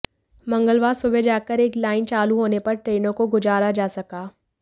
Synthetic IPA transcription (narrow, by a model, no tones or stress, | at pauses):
mɐ̃ŋɡəlʋaːsʊbed͡ʒaːkəɾeːklaːɪnt͡ʃaːluɦoːnepɐɾʈɾeːnõkoɡʊd͡ʒaːɾad͡ʒaːsɐkaː